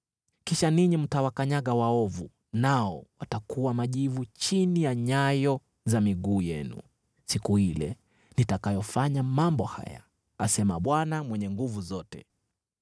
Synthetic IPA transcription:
kiʃaniɲim̩tawakaɲaɠawaɔvu | naɔwatakuwamaʄivut͡ʃinijaɲajɔ | zamiɠuːjɛnṵ | sikuhilɛ̰ | nitakajɔfaɲamambɔha̰ja̰ | asɛmaɓwanamwɛɲɛŋɡuvuzɔtɛ

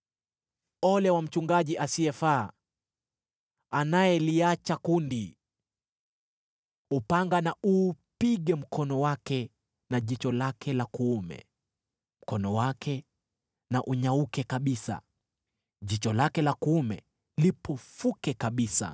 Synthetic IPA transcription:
ɔlɛwam̩t͡ʃuŋɡaʄiʔasiɛfaː | anajɛliat͡ʃakundi | upaŋɡanaupiɠɛm̩kɔnɔwakɛ | naʄit͡ʃɔlakʰɛlakuːmɛ̰ | m̩kɔnɔwakʰɛ | naʔuɲaukɛkaɓisa̰ | ʄit͡ʃɔlakɛlakuumɛ̰ | lipɔfukɛkaɓisa̰

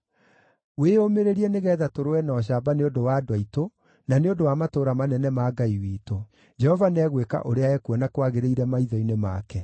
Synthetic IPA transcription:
weomeɾeɾiɛneɣɛðatoɾowɛnɔːɕ̬aːbaneondowadwaito | naneondowamatoːɾamanɛnɛmaːɡaiwiːto | d͡ʒɛhɔvanɛɣweka̰ʔoɾeaɛkuɔnakwaɣeɾeiɾɛmaiðɔinema̰kɛ

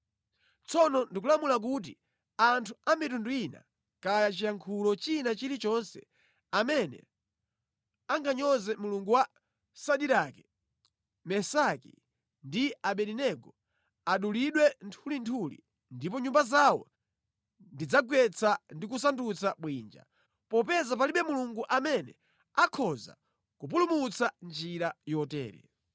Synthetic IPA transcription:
t͡sɔnɔndik̬ulamulak̬ut̬i | antʰuamitunduina̰ | kajat͡ʃijaŋkʰulɔt͡ʃinat͡ʃilit͡ʃɔnsɛ̰ | amɛnɛ̰ | aŋɡaɲɔzɛmuluŋɡuwa | saɗiɾakɛ̥ | mɛsakḭ | ndiaɓɛɾinɛɡɔ | aɗuliɗwɛntʰulintʰulḭ | ndipɔɲumbazawɔ̰ | ndid͡zaɡwɛt͡sʰandik̬us̬andut͡saɓwind͡ʒa̰ | pɔpɛzap̬aliɓɛmuluŋɡuʔamɛnɛ̰ | akʰɔza̰ | kup̬ulumut͡sand͡ʒiɾajɔtɛ̰ːɾɛ̰

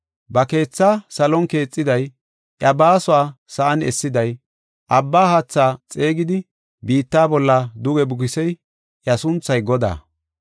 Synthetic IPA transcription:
bɐke̞ːt͡sːaːsɐlɔnke̞ːt͡sʼːɪd̪ɐj | ʔjɐbaːsʊaːsɐʔɐnɛ̰sːɪd̪ɐj | ʔɐbːaːhat͡sːaːt͡sʼe̞ːɡɪd̪ɪ | biːt̪ːaːbɔlːɐd̪ʊɡɛbʊkɪsɛj | ʔjɐsʊnt͡sːɐjɡɔd̪a̰ː

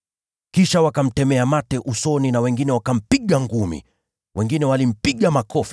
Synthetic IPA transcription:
kiʃawakam̩tɛmɛamatɛʔusɔninawɛŋɡinɛwakam̩piɠaŋɡumḭ | wʔɛŋɡinɛwalim̩piɠamakɔfi

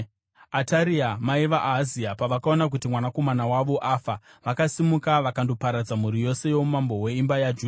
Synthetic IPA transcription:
ataɾiamaiʋaʔaziapaʋakaonak̬utimwanako̞manawaʋo̞ʔafaʋakasimukaʋakando̞paɾad͡zamuɾijo̞se̞jo̞mumambo̞we̞imbajad͡ʒu

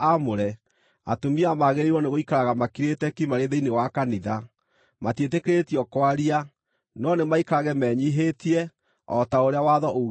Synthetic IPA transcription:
amoɾɛ | a̰tomiamaɣeɾeiɾɔneɣoikaɾaɣamakiɾetɛkimaɾeðeinewakaniða | matjetekeɾetiɔkwaɾia | nɔnemaikaɾaɣɛmɛɲiɦetiɛ | ɔtaoɾeawaðɔʔo

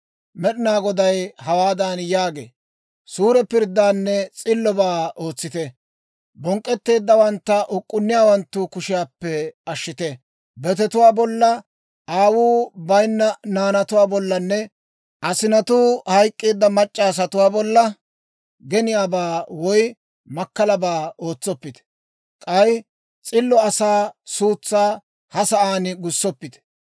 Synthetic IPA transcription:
mɛɗɪnaːɡɔd̪ɐjhɐwaːd̪aːnjaːɡḛː | suːɾɛpɪɾd̪ːaːnːɛt͡sʼɪlːɔbaːo̞ːt͡sːɪt̪ɛ | bɔŋkʼːɛt̪ːe̞ːd̪ːɐwɐnt̪ːɐʔʊkʼːʊnːɪjaːwɐnt̪ːʊkʊʃɪjaːpːɛɐʃːɪt̪ɛ | bɛt̪ɛt̪ʊwaːbɔlːɐ | ʔaːwuːbɐjnːɐnaːnɐt̪ʊwaːbɔlːɐnːɛ | ʔɐsɪnɐt̪uːhɐjkʼːeːd̪ːɐmɐt͡ʃʼːaːs̬ɐt̪ʊwaːbɔlːɐ | ɡɛnɪjaːbaːwɔj | mɐkːɐlɐbaːo̞ːt͡sːɔpːɪt̪ɛ̥ | kʼɐj | t͡sʼɪlːɔɐsaːsuːt͡sːaː | hɐsɐʔaːnɪɡʊsːɔpːɪt̪ɛ̥

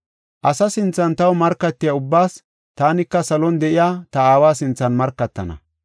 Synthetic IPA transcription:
ʔɐsɐsɪnt͡sːɐnt̪ɐwmɐɾkːɐt̪ːɪjaʊbːaːs | t̪aːnɪkːɐsɐlɔnd̪ɛʔɪjaːt̪ɐaːwaːsɪnt͡sːɐnmɐɾkːɐt̪ːɐ̰nɐ̰

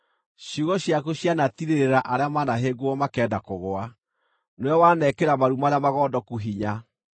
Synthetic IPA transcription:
ɕoɣɔɕjakoɕjanatiɾeɾeɾaʔaɾeamanaɦeɡoɔmakɛːdakoɣoa | nwɛwanɛkeɾamaɾumaɾeamaɣɔːdɔkuɦiɲa

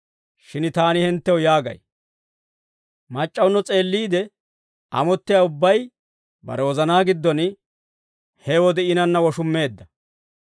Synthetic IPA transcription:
ʃɪnt̪aːnɪhɪnt̪ːɛwjaːɡɐ̰j | mɐt͡ʃʼːɐwnːɔt͡sʼe̞ːlːiːd̪ɛ | ʔɐ̰mɔt̪ːɪjaːʊbːɐj | bɐ̰ɾɛwɔzɐnaːɡɪd̪ːɔn | hɛwɔd̪ɛɪnɐnːɐwɔʃʊmːe̞ːd̪ːɐ

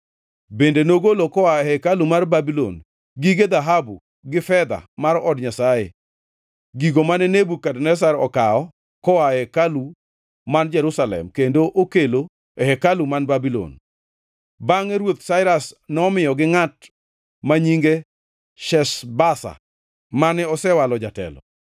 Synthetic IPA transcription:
bendenoɡolokɔwaɛhɛkalumarbabilo̰n | ɡiɡed̪aɦabu | ɡɪfɛd̪a̰maɾɔdɲasajḛ | ɡiɡomanɛnebukadnɛs̬aɾɔkaɔ | kɔwaɛkalu | mand͡ʒɛɾusalɛ̰mkendoʔokelo | ɛhɛkalumanbabilo̰n | baŋɛɾwot̪saɪɾasnɔmɪjɔɡɪŋat | maɲiŋɡe | ʃɛsbasa̰ | manɛɔsɛwalɔd͡ʒatɛ̰lɔ̰

